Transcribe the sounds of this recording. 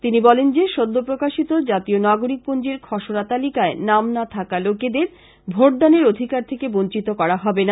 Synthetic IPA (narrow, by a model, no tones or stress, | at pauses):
t̪inibɔlend͡ʑeʃod̪ʱːopɾokaʃit̪od͡ʑat̪ionaɡoɾik̚pond͡ʑeɾkʰɔʃoɾat̪alikaenamnat̪ʰakaloked̪eɾ | bʱoʈ̚d̪aneɾod̪ʱikaɾt̪ʰekebont͡ɕit̪okɔɾaɦɔbena